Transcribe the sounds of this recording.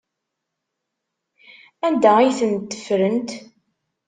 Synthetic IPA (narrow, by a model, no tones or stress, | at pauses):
ænd̪æijθənt̪ːə̥fɾənt̪